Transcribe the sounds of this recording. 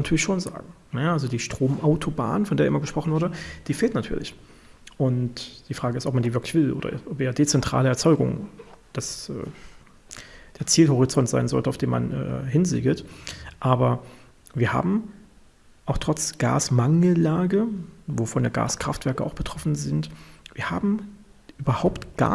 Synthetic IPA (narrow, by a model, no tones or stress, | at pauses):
anatʰyɐlɪʃoːnza̰ːɡŋ̩ | nəjaʔalzodiːʃtʁ̥oːmʔaʊtʰoba̰ːnəfɔndeːɐʔɪ̰mɐɡəʃpʁ̥ɔχn̩vʊɐɾəd̥iːfeːltnatʰyːɐlɪç | ʔʊntd̥iːfʁ̥aːɡəɪstɔp̚mandiːvɪɐklɪçv̥ɪlʔo̰ːdɐ̰ʔɪ̰ʔɔpeːdeːt͡sɛntʁ̥a̰ːləɛɐt͡sɔʏɡʊ̰ŋd̥asʔɛ̰ː | d̥eːɐt͡siːlɦɔʁit͡sɔntz̥aɪnzɔ̰ltəaʊfd̥eːnma̰nʔɛ̰ːhɪnzḭːɡl̩tʔaːbɐ | viːɐhɦa̰ːbm̩ | ʔaʊxtʁ̥ɔt͡sɡ̥a̰ːsmaŋl̩laːɡəvoːfɔndeːɐɡa̰ːskʁ̥aftv̥ɛɐkəʔaʊxb̥ətʁ̥ɔfn̩zɪntv̥iːɐhaːbm̩ | ʔyːbɐhaʊptɡ̥a̰